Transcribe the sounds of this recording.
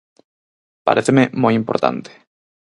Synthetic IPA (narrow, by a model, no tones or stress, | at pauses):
pa̰ɾeθememojimpoɾt̪a̰nt̪e̥